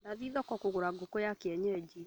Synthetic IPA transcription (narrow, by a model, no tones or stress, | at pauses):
daðiðɔkɔkoɣoɾaɡokojakeɛɲɛd͡ʒi